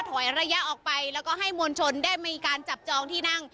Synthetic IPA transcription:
t̪ʰɔ˩˦jɾa˧ja˦˥ʔɔː˨˩k̚pa˧jlɛː˦˥wkɔː˥˩ɦa˥˩jmoː˧nt͡ɕʰo˧ndaː˥˩jmiː˧kaː˧nt͡ɕa˨˩p̚t͡ɕɔː˧ŋt̪ʰiː˥˩na˥˩ŋ

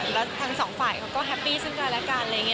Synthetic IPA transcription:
lɛ˦˥t̪ʰa˧˥ŋsɔː˩˦ŋfaː˨˩jkʰa˦˥wkɔː˥˩ɦɛ˦˥pːiː˥˩sɯ˥˩kaː˧˩lɛ˦˥kaː˧nla˧jŋi˦˥

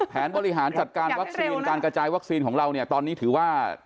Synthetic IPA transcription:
pʰɛː˩˦nbɔː˧ɾi˦˥ɦaː˩˦nt͡ɕa˨˩t̪̚kaː˧nnwa˦˥k̚siː˧nkaː˧nkɾa˧t͡ɕaː˧jwa˦˥k̚siː˧nkʰɔː˩˦ŋɾa˧wni˥˩ɐt̪ɔː˧nːiː˦˥t̪ʰɯː˩˦waː˥˩

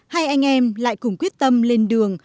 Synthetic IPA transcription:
ha˧jʔa˧jŋ̟ʔɛ˧mla̰ː˧˨jkʊ˨˧˩ŋ͡mkwi˦˥ət̚t̪ə˧mle˧nɗɨ˨˩əŋ

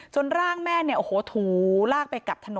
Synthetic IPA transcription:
t͡ɕo˧nɾaː˥˩ŋmɛː˥˩ni˥˩ʔoː˨˩hoː˨˦t̪ʰuː˨˩˦laː˥˩k̚pa˧jka˨˩p̚t̪ʰa˧no˨˦

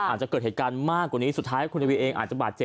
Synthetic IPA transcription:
aː˨˩t̪̚t͡ɕa˨˩ɤː˨˩t̪̚he˨˩kaː˧nmaː˥˩kːwaː˨˩niː˦˥su˨˩t̪ʰːaː˦˥jkʰu˧nt̪ʰa˧wi˧ʔeː˧ŋʔaː˨˩t̪̚t͡ɕa˨˩baː˨˩t̪̚t͡ɕe˨˩

